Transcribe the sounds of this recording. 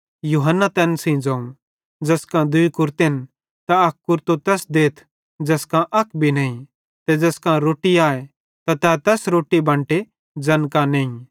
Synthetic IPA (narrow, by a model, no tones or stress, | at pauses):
juːɦənːat̪ɛːnsĩd͡ʒɐ̃ũ | d͡ʒɐskãd̪ʊikʊɾt̪en | t̪aɐkkʊɾt̪ot̪ɛːsd̪eːt̪ʰ | d͡ʒɐskãʔɐkʰbʱinɐ̃ːĩ | t̪ɛd͡ʒɛskãɾoːʈiaːe | t̪at̪ɛt̪ɛːsɾoːʈibɐ̃ɳʈe | d͡ʒɐnkãneĩ